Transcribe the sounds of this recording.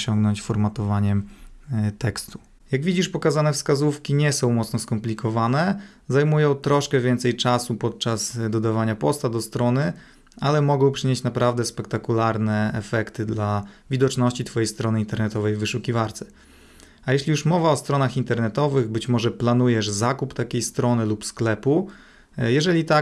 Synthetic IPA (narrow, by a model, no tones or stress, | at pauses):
ɕɔŋɡnɔɲt͡ɕfɔɾmat̪ɔvaɲɛm | t̪ɛkst̪u̥ | jaɡvʲid͡ʑiʂpɔkazanɛfskazufkʲiɲɛsɔ̃w̃mɔt̪snɔskɔmplʲikɔvanɛ | zajmujɔ̃w̃t̪ɾɔʂkɛvʲjɛnt̪sɛjt͡ʂasupɔt̪̚t͡ʂazd̪ɔd̪avaɲapɔst̪ad̪ɔst̪ɾɔnɘ | alɛmɔɡɔ̃w̃pʂɘɲet͡ɕnapɾavd̪ɛspɛk̚t̪akulaɾnɛɛfɛkt̪ɘd̪lavʲid̪ɔt͡ʂnɔɕt͡ɕit̪fɔjejst̪ɾɔnɘint̪ɛɾnɛt̪ɔvɛjvɘʂukʲivaɾt̪sɛ̥ | ajɛɕlʲijuʂmɔvaɔst̪ɾɔnaxint̪ɛɾnɛt̪ɔvɘɣbɘt͡ɕmɔʐɛplan̪ujɛʂzakupt̪akʲejst̪ɾɔnɘlupsklɛpu | jɛʐɛlʲit̪a